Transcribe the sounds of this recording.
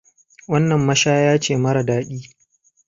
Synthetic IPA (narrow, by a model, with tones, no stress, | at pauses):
wɐ˦nːɐ˨mːɐ˦ʃaː˦jaː˦t͡ʃeː˦˨mɐ˦ɾɐ˨daː˦ɗʲiː˦